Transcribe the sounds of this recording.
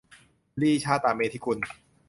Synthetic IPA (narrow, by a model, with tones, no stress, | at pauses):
liː˥˩t͡ɕʰaː˥˩t̪aː˨˩me˧t̪ʰiː˦˩kʰu˧n